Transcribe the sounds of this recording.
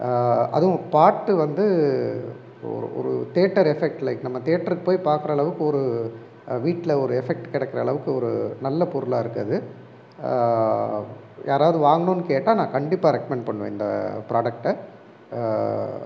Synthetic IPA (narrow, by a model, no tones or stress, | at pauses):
ɐ̰ðɯʊ̃paːʈːɯʋɐnd̪ɯ | ɔ̰ɾɯ̰ʔɔ̰ɾɯ̰t̪eːʈːɐɾɛfɛk̚ʈlɐɪkːnɐmːɐt̪eːʈːɐɾkːɯpoːjpaːɾkɯɾɐːɭɐʋɯkːɯɔɾɯ | ʋiːʈːɪlɐɔɾɯɛfɛk̚ʈkɪɽɛkːɪɾɐːɭɐʋɯkːɯɔɾɯnɐlːɐpɔɾɯlaːɪɾɯkːɐðɯ | jaːɾaːʋɯðɯʋaːŋɡɐɳoːnːɯkeːʈːaːnãːkɐɳɖɪpːaːɾɛkːɐmɛɳɖpɐɳːɯʋḛ̃ɪ̰nd̪ɐ̰pɾaːɽɐk̚ʈɐ